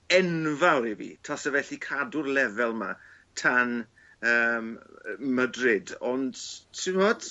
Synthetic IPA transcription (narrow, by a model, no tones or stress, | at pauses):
ɛnvawɾivḭtʰɔsɛvɛɬikʰadʊrlɛvɛlˠmatʰan | əːmmədrɪdɔndtʰːɪmɔd